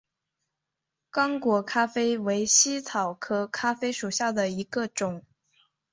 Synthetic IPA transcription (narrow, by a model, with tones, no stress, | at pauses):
kɑ˥ŋkwɔ˧˥kʰa˥fe˥ɪwe˧˥ɪɕi˥t͡s̪ʰɑ˨˩ʊkʰɤ˥kʰa˥fe˥ɪʂu˨˩ɕja˥˩d̪ə˩i˧˥ɡə˧ʈ͡ʂʊ˨˩˦ŋ